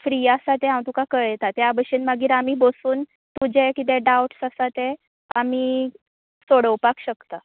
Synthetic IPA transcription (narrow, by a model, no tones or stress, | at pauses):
fɾiasat̪ɛɦãwt̪ukakəɭjet̪at̪ɛabəɕiːnmaɡiːɾamiːbosuːn | t̪ud͡ʑekit̪̬ɛɖawʈsasat̪ɛ | amiː | soɽəwpakɕəkt̪a